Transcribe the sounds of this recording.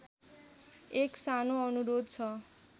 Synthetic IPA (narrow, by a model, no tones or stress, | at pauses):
eksanoʌnuɾod̪̚t͡sʰʌ